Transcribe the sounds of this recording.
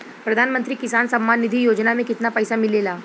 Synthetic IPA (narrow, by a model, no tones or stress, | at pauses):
pɾɐd̪ʱaːnmə̃nt̪ɾiːkɪsaːnsɐmːaːnːid̪ʱijoːd͡ʒnamẽkɪt̪napəjsamɪlelaː